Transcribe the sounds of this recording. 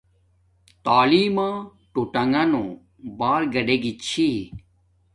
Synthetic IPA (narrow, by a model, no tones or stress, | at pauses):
t̪aːliːmãː | ʈuʈɐŋɡɐno | baːɾɡɐɖeɡit͡ɕʰi